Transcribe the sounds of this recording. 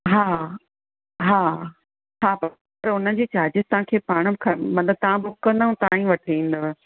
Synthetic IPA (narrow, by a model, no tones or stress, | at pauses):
ɦaː | ɦaː | ɦaːpɐ | pɐɾʊnə̆d͡ʑeːt͡ɕaːd͡ʑɪzt̪ɐɦãkʰeːpaːɽ̃ə̆bɪkʰɐmɐ̃nləb̚t̪ɐʋ̤ãbʊkːə̃nd̪ũt̪ɐãĩʋɐʈʰiĩːn̆d̪o